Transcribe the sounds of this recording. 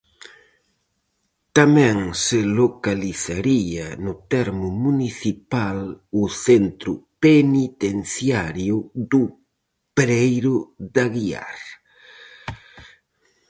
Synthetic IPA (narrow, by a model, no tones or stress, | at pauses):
t̪amɛ̃ŋsɪlokaliθaɾianʊt̪ɛɾmʊmuniθipalʊθent̪ɾʊpenit̪enθjaɾjʊd̪ʊ | pɾejɾʊðaɣia̰ɾ